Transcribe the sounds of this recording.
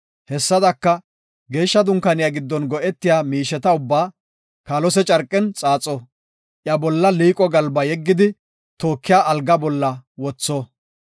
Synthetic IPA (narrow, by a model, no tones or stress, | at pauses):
hɛsːɐd̪ɐkːɐ | ɡe̞ːʃːɐd̪ʊŋkɐnɪjaɡɪd̪ːɔnɡɔʔɛt̪ːɪjaːmiːʃɛt̪ɐʊbːaː | kaːlɔsɛt͡ʃʼɐɾkʼːɛnt͡sʼaːt͡sʼːɔ | ʔjɐbɔlːɐliːkʼɔɡɐlbɐjɛɡːɪd̪ɪ | t̪o̞ːkːɪjaːʔːlɡɐbɔlːɐwɔt͡sːɔ